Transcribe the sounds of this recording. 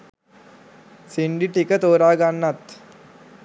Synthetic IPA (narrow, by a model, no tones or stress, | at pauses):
siɳɖiʈikət̪oːɾaːɡanːat̪